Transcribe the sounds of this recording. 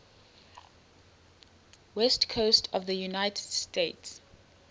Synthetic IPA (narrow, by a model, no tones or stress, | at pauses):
wɛstkʰostʰɔvðəjunaɪtʰəd̥steɪts